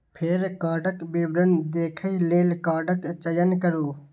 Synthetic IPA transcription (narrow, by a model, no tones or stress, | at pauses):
pʰeɾkaːɖəkbiːbɾənd̪eːkʰəileːlkaːɖəkt͡ʃəjənkəɾuː